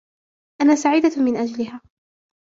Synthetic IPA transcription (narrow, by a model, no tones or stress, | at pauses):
ʔanaːsaʕiːd̪amɪnʔad͡ʒalɪɦaː